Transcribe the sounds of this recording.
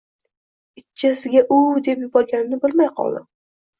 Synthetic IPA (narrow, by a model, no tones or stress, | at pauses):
ɪt͡ʃːt͡ʃʰːasɪɡʲaʔʊd̪e̞pjʊbɒɾɡʲanɪnɪbɪlmajqʰɒ̰lˠd̪ɪ̰